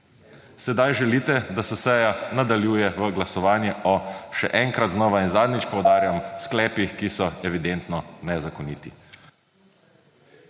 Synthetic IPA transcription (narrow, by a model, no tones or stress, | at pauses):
sɛd̪ajʒɛliːt̪ɛd̪asɛsɛjanad̪aljuːjɛʋəɡlasɔʋaːnjɛɔʃɛʔɛŋkɾat̪znɔːʋainzaːd̪nɲit͡ʃpɔwd̪aːɾjamsklɛːpixkisɔɛʋid̪ɛnt̪nɔnɛzakɔniːt̪ḭ